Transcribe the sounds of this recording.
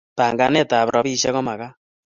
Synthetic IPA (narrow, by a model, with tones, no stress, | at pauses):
pa˨ŋɡa˧nɛ˦˨ta˨βɾɔ˨˦βi˦ʃɛ˦kɔ˦ma˨ka˦